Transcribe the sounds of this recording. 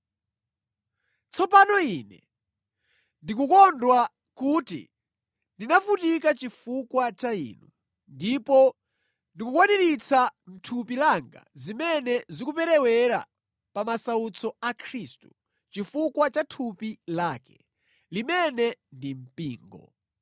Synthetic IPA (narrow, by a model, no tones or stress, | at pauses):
t͡sʰɔpanɔiːnɛ̰ | ndikukɔndwa | kuːtḭ | ndinafutikat͡ʃifukwat͡ʃaḭːnu | ndipɔ | ndikukwaniɾit͡sam̩tʰupilaŋɡa̰zimɛnɛzikupɛɾɛwɛɾa̰ | pamasaut͡sʰɔakʰɾiːstu̥ | t͡ʃifukwat͡ʃatʰupilaːkɛ̥ | limɛnɛndim̩piːŋɡɔ̰